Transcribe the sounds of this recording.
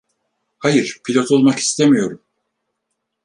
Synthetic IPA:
hajɯɾpʰilʲo̞t̪ʰo̞lˠmaki̥st̪ʰemijo̞ɾum

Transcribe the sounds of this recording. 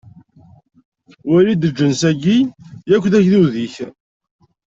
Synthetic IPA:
wæɾid̪əd͡ʒːənsæɡijækʷːðæçðuðiç

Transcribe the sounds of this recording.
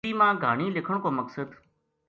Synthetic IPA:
iːmãːɡʱaːɳ̃iːlɪkʰəɳ̃koːməksəd̪

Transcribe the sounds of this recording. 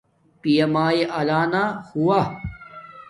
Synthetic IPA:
pijɐmaːeʔɐlaːnahuwa

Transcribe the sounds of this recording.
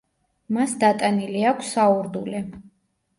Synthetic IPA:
masd̪at̪ʼaniliakʷʰsauɾd̪ulɛ

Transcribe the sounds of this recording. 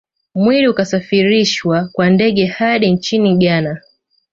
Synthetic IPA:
mwiɾiukasafiɾiʃwakwandɛɠɛhaɗint͡ʃiniɠana

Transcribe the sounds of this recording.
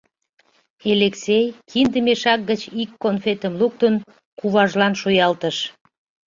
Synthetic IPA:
eleksejkʰind̪əmeʃɑk̚ɡət͡ɕikːonfet̪əmluk̚t̪ən | kuβɑʒlɑnʃojɑlt̪əʃ

